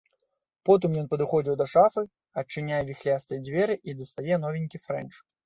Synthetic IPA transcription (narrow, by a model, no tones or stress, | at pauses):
pɔt̪̬ɨmjɔnpɐd̪ɨxɔd͡zʲiwd̪ɐʂafɨ | ɐt͡ʂːɨnʲajɛvʲixlʲast̪ɨjɛd͡zʲvʲɛɾɨʔid̪ɐst̪ajɛnɔvʲinʲkʲifɾɛ̰nt͡ʂ